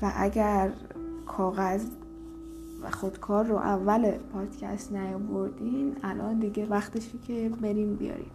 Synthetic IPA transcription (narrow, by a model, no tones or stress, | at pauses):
væʔæɟæɾ | kʰɒːɣæz | væ̰xo̞d̪̥kʰɒːɾːo̰ʔævːælepʰɒːd̪cʰæ̰st̪næjɒvoɾd̪iːmælʔɒnd̪iɟevæxt̪eʃicʰebe̞ɾiːmbḭjɒ̰ːɾḭm